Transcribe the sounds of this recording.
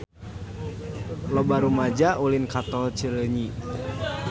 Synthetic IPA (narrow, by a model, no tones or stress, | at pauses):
lɔbaɾumad͡ʒaʔulinkat̪ɔlt͡ʃələɲi